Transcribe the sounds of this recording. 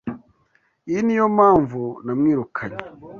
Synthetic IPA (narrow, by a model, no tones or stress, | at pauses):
iinijomaːɱvunamŋiːɾukʰaɲe